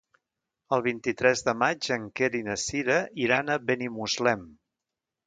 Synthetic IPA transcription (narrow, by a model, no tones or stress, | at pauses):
əlˠβint̪it̪ɾɛzðəmad͡ʒəŋkeɾinəsiɾəiɾanəβenimuzlɛm